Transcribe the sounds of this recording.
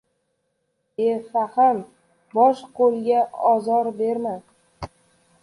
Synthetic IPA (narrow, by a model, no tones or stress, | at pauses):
esaham | bɒʃqolˠɡʲaɒzɒɾbeɾma